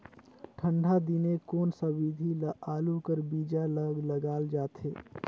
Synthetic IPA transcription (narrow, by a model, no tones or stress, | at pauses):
ʈʰəɳɖʱad̪inekoːnsəbid̪ʱilaːlukəɾbid͡ʒaləɡləɡaːld͡ʒaːt̪ʰeː